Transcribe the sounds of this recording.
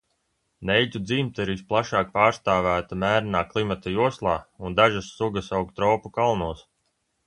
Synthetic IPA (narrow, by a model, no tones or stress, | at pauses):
nɛjd͡ʒʲud̪ziːmt̪aiɾisplˠaʃaːk̚paːɾst̪aːvæːt̪amæːɾnaːklˠimat̪ajuɔslˠɑːund̪aʒasːuɡasawkt̪ɾɔːpukalˠnuɔs